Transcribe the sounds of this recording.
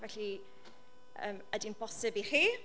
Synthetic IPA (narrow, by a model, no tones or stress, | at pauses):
vɛɬi | ə̰ːmədimpʰɔsɪbiχiː